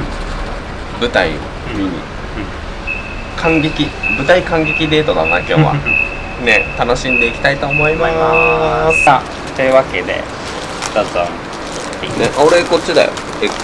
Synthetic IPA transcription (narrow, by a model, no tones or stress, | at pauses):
bɯ̟t̪aḭ | ɯḭ | kʰãŋɡʲe̞kʲibɯ̟t̪aikãŋɡʲe̞kʲid̪e̞ːt̪od̪ona̰kʲo̞̰ːβa̰ | ne̞t̪ano̞ɕĩnd̪e̞ikʲi̥t̪ait̪o̞ːmo̞imaasa | t̪eɯ̟βake̞d̪e̞̰ | t̪azã | ineʔoɾeko̞t͡ɕid̪a̰jo̰ | e